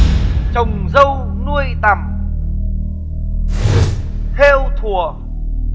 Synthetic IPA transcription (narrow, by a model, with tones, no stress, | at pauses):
t͡ɕə˨˩wŋ͡mzə˧w | nu˧əjt̪a˨˩m | t̪ʰe˧wt̪ʰu˨˩ə